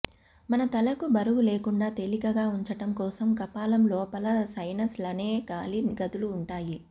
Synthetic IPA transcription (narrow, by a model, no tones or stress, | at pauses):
mɐnɐt̪ɐlɐkubɐɾuʋuleːkuɳɖaːt̪elikɐɡaːuɲt͡ʃɐʈɐmkɔːsɐmkɐpaːlɐmlɔːpɐlɐsɐjnɐslɐneːkaːliɡɐd̪uluːɳʈaːji